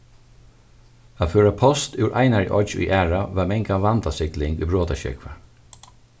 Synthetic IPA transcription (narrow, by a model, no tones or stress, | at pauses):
aføːɹapʰɔst̪ʉːɾʔɑ̰ɪnaɹj̰ʔɔ̰t͡ʃṵjʔæːɹaʋaːmɛŋkaʋand̪asɪklɪŋɡṵːbɹoːt̪aʃɛ̰kʋə